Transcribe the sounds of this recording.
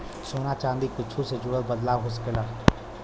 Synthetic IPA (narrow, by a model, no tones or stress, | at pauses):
soːnat͡ʃãːnd̪ikɪt͡ʃʰused͡ʒʊɽəlbəd̪laːwɦoːs̬ə̥kela